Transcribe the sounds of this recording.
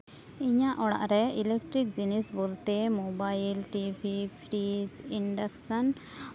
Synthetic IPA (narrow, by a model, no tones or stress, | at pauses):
iɲaʔɔɽa̰ʔɾɛilek̚ʈɾik̚d͡ʒinisbolt̪emobajilʈibʱipʰɾid͡ʒiɳɖaksan